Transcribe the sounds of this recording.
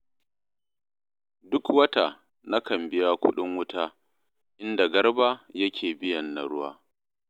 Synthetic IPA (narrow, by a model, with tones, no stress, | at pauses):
dʊ˦kwɐ˦ta˨ | na˦kɐ˨mbɪ˦ja˦kʷʊ̰˦ɗɪ˦ŋwʊ˦taː˦ | ʔɪ˦nda˨ɡɐ˦rbaː˦jɐ˦kʲʰeː˨bɪ˦jɐ˨nːa˨ɽʊ˦waː˦